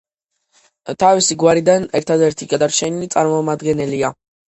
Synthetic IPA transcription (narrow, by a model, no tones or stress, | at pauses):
t̪ʰavisiɡwaɾid̪anɛɾt̪ʰad̪ɛɾt̪ʰiɡad̪aɾt͡ʃʰɛnilit̪sʼaɾmɔmad̪ɡɛnɛlia